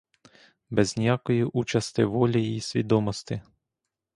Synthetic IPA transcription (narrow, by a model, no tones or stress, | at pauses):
bɛznʲijakɔjiʔut͡ʃɐst̪ɪʋɔlʲiːsʲʋʲḭd̪ɔmɔst̪ɪ